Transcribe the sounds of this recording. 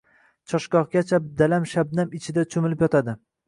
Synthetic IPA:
t͡ʃʰɒʃkɒʁɡʲat͡ʃʰad̪alamʃabnamɪt͡ʃʰɪd̪at͡ʃʰʊmɪlɪpjɒt̪ʰad̪ɪ

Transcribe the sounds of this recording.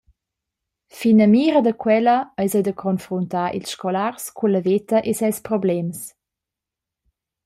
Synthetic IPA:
finəmiːɾəd̪əkwɛləəjzəjd̪əkʰɔnfɾuntaːʔḭlsʃkɔlarskʰunləvet̪əʔesɛlspɾɔblɛms

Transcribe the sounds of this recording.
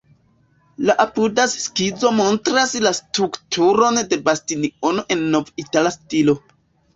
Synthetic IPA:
laʔapudaskizo̞mo̞ntɾaslastɾuktʰuɾo̞nde̞bastinio̞no̞ʔe̞nːo̞vitalastilo̞

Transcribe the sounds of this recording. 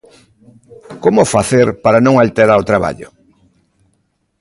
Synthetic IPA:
komofaθeɾpaɾanõŋalt̪eɾaɾot̪ɾaβa̰ʎʊ̰

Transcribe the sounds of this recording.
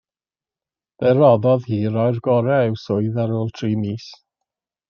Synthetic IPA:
b̥ɛɾɔðɔðhiːɾɔjrɡɔɾɛɛwsʊɨðaɾoːlˠtʰriːmiːs

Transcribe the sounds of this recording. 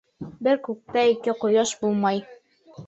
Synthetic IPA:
bɘɾkʉk̚t̪æikɘqŏjɑʃbulˠmɑj

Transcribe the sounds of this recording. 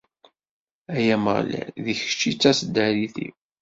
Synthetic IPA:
æjæmə̰ʁlæ̰ðiç̥t͡ʃːit͡sːæsəd̪ːæɾiθḭw

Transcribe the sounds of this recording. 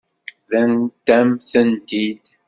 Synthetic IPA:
ðænt̪æmθənt̪id̪

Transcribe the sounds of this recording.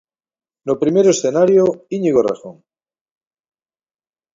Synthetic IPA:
nopɾimeɾoe̞sθenaɾjoiɲiɣora̰xoŋ

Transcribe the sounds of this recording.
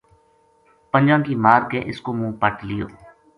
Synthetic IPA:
pənd͡ʒãːŋkiːmaːɾkeːʔɪskoːmũːpəʈlɪjo̰ː

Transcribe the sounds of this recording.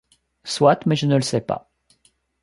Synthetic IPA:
swat̪mɛʒənələsɛpa̰

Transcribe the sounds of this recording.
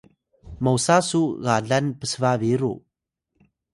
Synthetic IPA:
mawsasuɣaɮanpəsəvaviɾṵ

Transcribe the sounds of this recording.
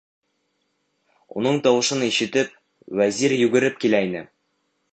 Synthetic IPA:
ṵnɤɴt̪ɒwɤ̆ʃɤniʃɘ̆t̪ɘp̚ | wæziɾjʉɡɘ̆ɾɘp̚kilæinɘ̰

